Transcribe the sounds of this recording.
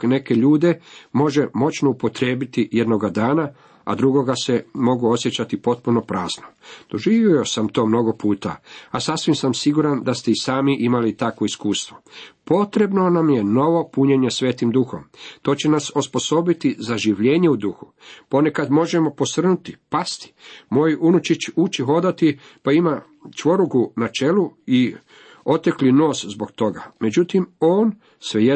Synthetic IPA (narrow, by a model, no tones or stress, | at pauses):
ne̞ke̞ʎuːd̪e̞mo̞ʒemo̞t͡ʃno̞upo̞t̪ɾe̞ːbit̪ijed̪no̞ɡad̪aːna | a̰d̪ɾuɡo̞ɡase̞mo̞ɡuo̞sjet͡ɕat̪ipo̞t̪̚puno̞pɾaːznod̪̥o̞ʒiːʋjoosamt̪o̞ːmno̞ɡo̞puːt̪a̰asasʋimsamsiɡuɾand̪ast̪eisaːmiʔimalit̪akʋo̞iskuːst̪ʋo̞po̞t̪ɾe̞bno̞namje̞no̞ʋo̞puɲe̞ɲesʋe̞ːt̪imd̪uxo̞mt̪o̞ːt͡ɕe̞nasospo̞so̞bit̪izaʒiʋʎe̞ːɲe̞ud̪uxu | po̞ne̞kad̪mo̞ʒe̞mo̞po̞sr̩nut̪ipast̪i̥mo̞junut͡ʃit͡ʃut͡ʃiɦo̞d̪at̪i | paima | t͡ʃʋo̞ɾuɡunat͡ʃelui | o̞t̪eklino̞ːszbo̞kt̪o̞ɡa̰me̞d͡ʑut̪imo̞ːn | sʋeje